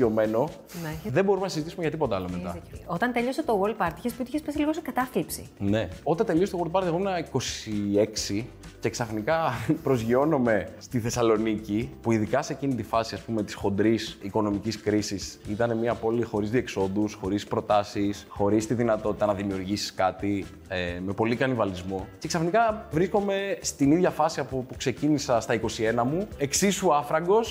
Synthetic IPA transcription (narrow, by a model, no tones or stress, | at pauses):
ome̞no | nðebo̞ɾumenɐsizit̪isumeʝɐt̪ipo̞t̪eɐlomet̪ɐot̪ɐnt̪eloset̪owold̪̚pɐɾt̪içesput̪içespesiliɣo̞sekɐt̪ɐflipsine̞o̞t̪ɐt̪e̞liost̪oold̪̚pɐɾt̪eɣo̞menɐiko̞sie̞ksice̞ksɐfnikɐpɾo̞zʝio̞no̞me̞st̪iθe̞sɐlo̞nicipuiðikɐse̞cinit̪ifɐsiɐspume̞t̪i̥sxo̞nd̪ɾisiko̞no̞miciskɾisisit̪ɐne̞miɐpo̞lixo̞ɾizðie̞kso̞d̪usxo̞ɾispɾo̞t̪ɐsisxo̞ɾist̪iðinɐt̪o̞t̪i̥t̪ɐnɐðimiuɾʝisi̥skɐt̪i | eme̞po̞likɐnivɐlizmoce̞ksɐfnikɐvɾisko̞me̞st̪iniðʝɐfɐsiɐpopukse̞cinisɐst̪ɐiko̞sie̞nɐmue̞ksisuɐfɾɐɡo̞s